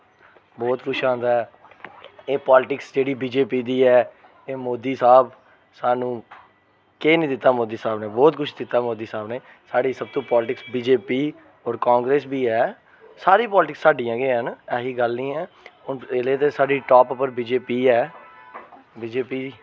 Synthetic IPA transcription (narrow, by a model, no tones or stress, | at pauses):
bɔːt̪kʰʊt͡ʃʰãːnd̪aːɦɛː | eːpɔːlɪʈɪksd͡ʒeːɽiːbiːd͡ʒeːpiːd̪iːɛː | eːmoːd̪iːsaːb | saːnũː | keːnĩːd̪ɪt̪ːaːmoːd̪iːsaːbneːbɔːt̪kʰʊt͡ʃʰd̪ɪt̪ːaːmoːd̪iːsaːbneː | saːɖiːsəb̚t̪õːpɔːlʈɪksbiːd͡ʒeːpiː | ɔːɾkaːŋɡɾeːsbiːɛː | saːɾiːpɔːlɪʈɪksːaːɖijãːɡeːɦənɛːɦiːɡəlnĩːɛː | ʊneleːt̪̬eːsaːɖiːʈɔːpʊpːəɾbiːd͡ʒeːpiːɛː | biːd͡ʒeːpiːd̪iː